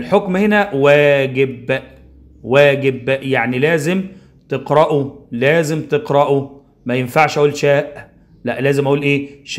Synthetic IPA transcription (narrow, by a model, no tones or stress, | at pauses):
elħokmhenæwæːɡeb | wæːɡebjaʕnilæːzɪm | t̪eqɾˤɑʔulæːzemt̪eqɾɑʔu | mæjenfaʕʃʔæʔuːlʃæːʔ | læʔlæːzemʔæʔuːlʔeːʃ